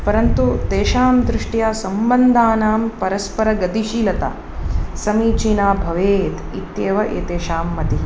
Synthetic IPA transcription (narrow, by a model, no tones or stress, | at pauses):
pɐɾɐnt̪ut̪eːʃaːmd̪ɾɪʂʈjaːsɐmbɐnd̪ʱaːnaːmpɐɾɐspɐɾɐɡɐd̪iʃiːlɐt̪ɐ̰ | sɐmiːt͡ʃiːnaːbʱɐʋeːt̪it̪jeːʋɐʔḛːt̪eːʃaːmːɐt̪i